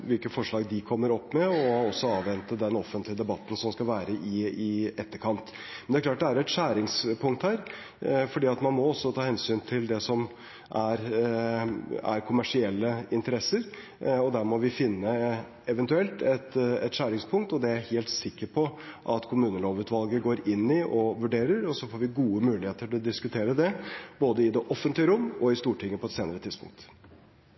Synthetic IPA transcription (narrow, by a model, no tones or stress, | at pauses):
ʋɪlkəfɔʂɭɑːɡd̪ɪkʰɔmːəɾɔpːmɛɔɔsːɔɑːʋʋɛnt̪əd̪ɛnɔfənt̪lɪəd̪ɛbɑt̪ːn̩sɔmskɑlʋæːɾəʔɪɪɛt̪ːəɾkʰɑnt̪ | mɛnæɾklɑːʈ̚d̪ɛæɾɛt̪ʂæːɾɪŋspʰʊŋk̚t̪hæːɾ | fɔɖiːɑt̪mɑnmɔɔsːɔt̪ʰɑːhɛnsyːnt̪ʰɪld̪ɛsɔm | ʔæɾ | æ̰ɾkʰʊmæʂɪɛlːəɪnt̪əɾɛsəɾ | ɔd̪æːɾmɔʋɪfɪnːə | ɛʋɛnt̪ʉɛlt̪ɛt̪ɛt̪ɕæːɾɪŋspʰʊŋk̚t̪ɔd̪ɛæɾheːlt̪sɪkːəɾpʰɔʔɑt̪kʰʊmʉːnəloːʋʉːt̪ʋɑlɡəɡoːɾɪnːɪʔɔʋʉɖeːɾəɾɔsɔfoːɾʋɪɡuːəmʉːlɪheːt̪əʈɪlɔd̪ɪskʉt̪ʰeːɾəd̪ɛboːd̪əɪd̪ɛʔɔfːənt̪lɪəɾʊmːɔɪst̪uːʈʰɪŋːəpʰɔɛt̪seːnəɾət̪ʰɪd̪spʊ̰ŋk̚t̪